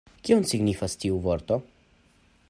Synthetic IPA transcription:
kionsiɡnifastiuvoɾt̪o

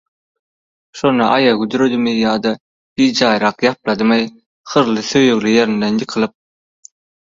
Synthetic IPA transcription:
ʃo̞nɑʔɑjɑɡyd̪yɾød̪ymijɑːd̪ɑ | b̥ijd͡ʒɑːjɾɑqjɑp̚lˠɑd̪ɯmɑj | χɯɾlˠɯθøjøɣlijeɾind̪enjɯqʰɯlˠɯp̚

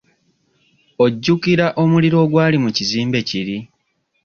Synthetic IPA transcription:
o̞ɟːukiɾaʔo̞muliɾo̞ːɡwaːlimuciziːmbe̞ciɾi

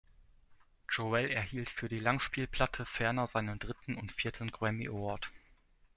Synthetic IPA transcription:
d͡ʒoɛlɛɐhiːltfyːɐdiːlaŋʃpiːlpʰl̥atʰəfɛɐnɐzaɪnəndʁɪtn̩ʊntfiːɐtʰən̩ɡʁɛmiʔɔɐt

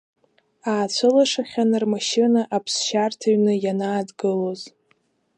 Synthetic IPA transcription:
aːt͡ɕʷʰɨlaʂaχʲanɨrmaʃɪnaʔapʰsʃartʰaɥnɨjanaːdɡɨloz

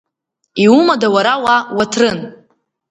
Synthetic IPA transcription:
iumadawaɾawawatʰrɨn

